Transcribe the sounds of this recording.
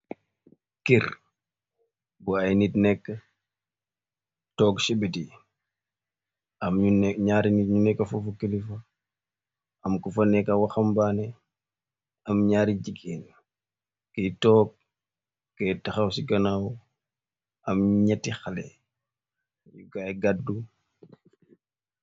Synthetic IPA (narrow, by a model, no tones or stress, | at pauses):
kiɾ | buɐjnitnɛkːɐ | tɔːkʃibeti | ɐmɲunɲaːɾinitɲunɛkːɐfufukelifɐ | ɐmkufɐnɛkɐwɐxɐmbaːnɛ | ɐmɲaːɾiɟikin | kɛtɔːk̚ː | ɛːtɐxɐwsikɐnaw | ɐmɲɐtixɐlɛ̰ | jukajɡadːu